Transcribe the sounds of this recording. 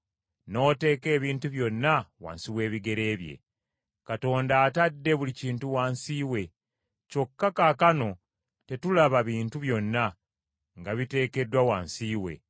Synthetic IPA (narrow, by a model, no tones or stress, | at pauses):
no̞ːte̞ːke̞ːβiːntuβjo̞nːawa̰ːnsiwe̞ːβiɡe̞ɾe̞ːβjḛ | kato̞ːndaːtadːe̞βuliciːntuwaːnsiːwe̞ | co̞kːakakano̞ | te̞tulaβaβiːntuβjo̞nːa | ŋɡaβite̞ːke̞dwawaːnsiːwe̞̰